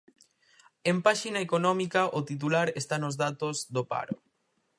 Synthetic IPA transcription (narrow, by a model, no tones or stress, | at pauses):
empaʃinaekonɔmikaʔot̪it̪̬ulaɾest̪anozðat̪ozðopa̰ɾo